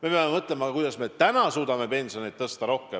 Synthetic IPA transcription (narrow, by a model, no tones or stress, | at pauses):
me̞peɑmemɤt̪ˑle̞mɑkujd̪̥ɑsme̞t̪ænɑsuːd̪̥ɑme̞pe̞nso̞net̪ːɤst̪ɑɾo̞hke